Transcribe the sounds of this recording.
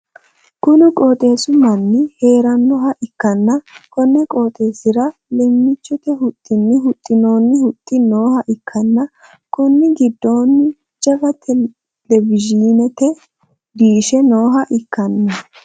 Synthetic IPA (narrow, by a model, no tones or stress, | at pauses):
kʊnɪkʼoːt̪ʼe̞ːsʊmɐnːɪheːɾɐnːɔhɐʔɪkːɐnːɐkɔnːɛkʼoːt̪ʼe̞ːsɪɾɐlɛmːɪt͡ʃːɔt̪ɛhʊt̪ʼːɪnːɪhʊt̪ʼːɪno̞ːnːɪhʊt̪ʼːɪno̞ːhɐʔɪkʰːɐnːɐ | kʊnːɪɡɪd̪ːo̞ːnːɪ | d͡ʒɐvɐt̪ʰɛ | lɛvɪd͡ʒiːnɛt̪ɛ | d̪iːʃɛno̞ːɦɐʔɪkːɐnːɐ